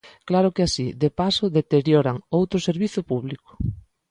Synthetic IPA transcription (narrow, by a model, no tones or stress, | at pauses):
klaɾʊkeasiðepasʊðet̪eɾjoɾaŋowt̪ɾʊseɾβiθʊpuβlikʊ̥